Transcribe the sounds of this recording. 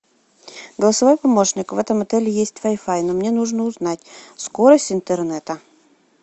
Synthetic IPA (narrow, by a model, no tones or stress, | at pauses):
ɡəlˠəsɐvojpɐmo̞ʂnʲɪkvɛt̪əmɐt̪ɛlʲɪjesʲtʲvɐjfajnomnʲenuʐnəʊznatʲsko̞ɾəsʲtʲɪnt̪ɨrnɛt̪ə